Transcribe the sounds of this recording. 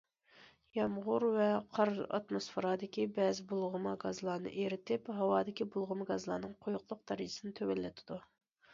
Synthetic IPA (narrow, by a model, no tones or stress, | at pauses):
jɑmʁʊɾvɛqʰɑɾɑ̰t̪mosfeɾɑd̪ɪkʲibɛːzɪbolˠʁʊmɑɡɑzlˠɑːnɨ̰ʔeɾɪt̪ʰɪphɑwɑːd̪ɪkʲibolˠʁʊmɡɑzlˠɑ̰nɨŋqʰojʊqlˠʊq̚d̪ɑɾɨd͡ʒɪ̥sɨnɨt̪ʰøwɛlːɛt̪ʰɪd̪u